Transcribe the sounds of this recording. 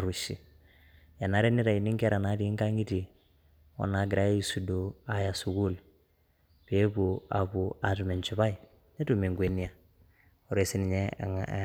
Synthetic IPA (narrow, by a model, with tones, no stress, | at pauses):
ɾu˨ʃi˨ | ja˨na˨ɾɛ˦nɪ˦ɾa˨i˨ni˦ŋkɛ˦ɾa˨na˨˦ti˨˦ŋɡa˦ŋi˦ti˨ | ɔ̰˨na˨˦ɡɪ˨ɾa˦ji˨su˨do˨a˨ja˨su˨ɡu˦l | pe˨˦bu˨a̰˨bu˨a˨tu˨mɛ˨nt͡ʃu˨βa˦i˨ | nɛ˦tu˨me˨ŋɡwe˨ni˦a˨ | ɔ˨ɾe˨si˦nɪ˨ɲɛ˦